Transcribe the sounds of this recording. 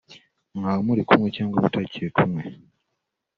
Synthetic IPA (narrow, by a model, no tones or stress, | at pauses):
ŋɡawamulikumwecaːŋɡoβutʰacʰːekumwe